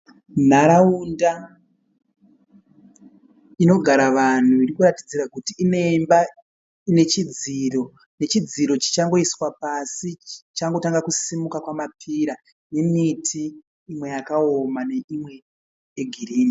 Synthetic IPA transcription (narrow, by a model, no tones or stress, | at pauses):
n̤aɾaunda | ino̞ɡʱaɾaʋan̤uiɾikuratid͡ziɾakutiːne̞mba | ine̞t͡ʃid͡ziro̞ | ne̞t͡ʃid͡ziɾo̞t͡ʃi̥t͡ʃaŋɡo̞iswapasit͡ʃaŋɡo̞taŋɡakusimukakwamapʰiɾa | je̞mitʰiː | mwe̞jakaomane̞imwe̞ | jeɡʱiɾiːmi